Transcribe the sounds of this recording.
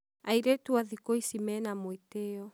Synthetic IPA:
aiɾɛtuaðikoisimɛnamoiteɔ

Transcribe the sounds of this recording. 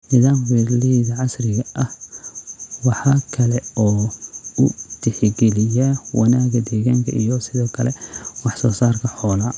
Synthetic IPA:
nɪðaːmwirliiðɐʕɑsrɪɣɐʔɐh | wɑħɑːkʰɐlɛɔːʊt̪ʰɪħɪɡɛlɪjɐwɑnaːɣɐd̪ɛːɣaːŋkʰɐ̰ʔijɔsɪðɔːkʰɐlɛwɑħsɔːsaːrkʰɐħɔːlaː

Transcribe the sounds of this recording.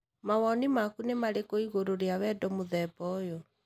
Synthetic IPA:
mawɔnimakunemaɾekoiɣoɾoɾeawɛdɔmoðɛbɔjɔ

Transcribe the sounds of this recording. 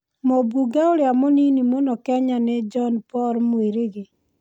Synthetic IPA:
mobuɡaoɾjamoninimonɔkɛɲaned͡ʒɔnpɔɾmweɾeɣe

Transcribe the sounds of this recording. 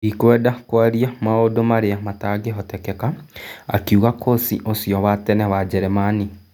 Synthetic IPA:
ikwɛːdakwaɾiamaodomaɾeamataɡeɦɔtɛkɛkaa̰kjuɣakʰosḭʔosijɔβatɛnɛβad͡ʒɛɾemani

